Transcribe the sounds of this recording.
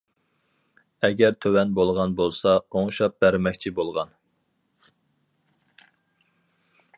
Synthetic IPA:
ɛɡʲɛɾt̪ʰøwɛnbolˠʁɑnbolˠsɑoŋʃɑp̚bæɾmɛkʲt͡ʃʰibolˠʁɑn

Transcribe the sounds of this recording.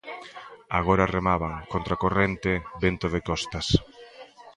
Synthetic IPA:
aɣ̞oɾaremaβaŋkont̪ɾakorent̪ɪbent̪oðekɔst̪ɐs

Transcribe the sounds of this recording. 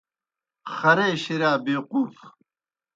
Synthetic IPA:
χɐɾeːɕiɾaːbeːquːf

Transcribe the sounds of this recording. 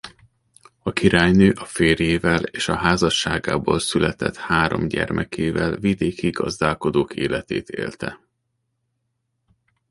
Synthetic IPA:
ɒkiɾaːjnøːʔɒfeːrjeːvɛleːʃɒɦaːzɒʃːaːɡa̰ːboːlsylɛt̪ɛt̪haːɾo̞̰mɟɛrmʔɛkʰeːvɛlvid̪eːkiɡɒzd̪aːlko̞d̪oːkʰeːlɛt̪eːt̪ʰḛːlt̪ɛ

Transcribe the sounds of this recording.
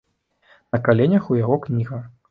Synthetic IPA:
nɐkalʲɛnʲɐxujaɣɔknʲiɣɐx

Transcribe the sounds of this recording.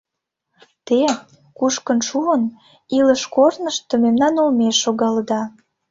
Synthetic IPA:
t̪e | kuʃkənʃuən | iləʃkornəʃt̪əmemnɑnolmeʃːoɣɑləd̪ɑ

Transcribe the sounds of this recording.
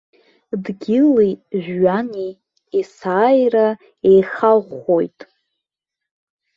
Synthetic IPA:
dɡʲɪliʒᶣːaniː | saːjra | ejχalʁχojtʼ

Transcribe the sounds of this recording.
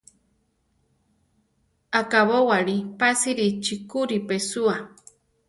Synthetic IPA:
akaβowaɺipasiɾit͡ʃikuɾipesua

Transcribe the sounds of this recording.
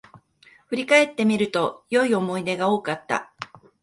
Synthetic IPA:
ɸɯɾʲikae̞t̪ːe̞mʲiɾɯ̟t̪o̞jo̞io̞mo̞id̪e̞ɡao̞ːkat̪ːa̰

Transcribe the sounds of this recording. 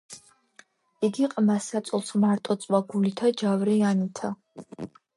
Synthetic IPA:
iɡiqʼmasasʼlˠsmaɾt̪ʼɔt͡s̪ʼwaɡulit̪ʰad͡ʒavɾɛjanit̪ʰa

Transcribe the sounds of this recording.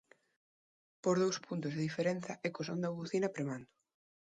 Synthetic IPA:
poɾðowspunt̪ʊzðeðifeɾen̟θɐʔekosond̪auβuθinɐpɾemand̪ʊ̥

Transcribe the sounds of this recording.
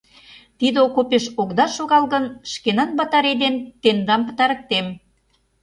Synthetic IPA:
t̪id̪okopeʃokd̪ɑʃoɣɑlɣə̆nʃkenɑnbɑt̪ɑɾed̪ent̪end̪ɑmpə̥̆t̪ɑɾə̆k̚t̪em

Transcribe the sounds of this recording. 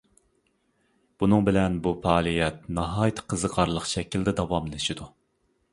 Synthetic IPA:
b̥unɨŋbɪlɛnbupɑːlˠijɛt̪̚nɑɦɑːjt̪ʰɨ̥qʰəzəqʰɑɾlˠəqʃɛkʲʰild̪ɛd̪ɑwɑmlɪʃid̪u

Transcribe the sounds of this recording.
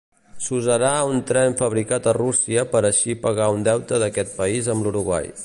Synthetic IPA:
suzəɾaunt̪ɾɛɱfəβɾikat̪ərusiəpəɾəʃipəɣ̞aund̪ɛwt̪əðəkɛt̪̚pəizəmluɾuɣwa̰j

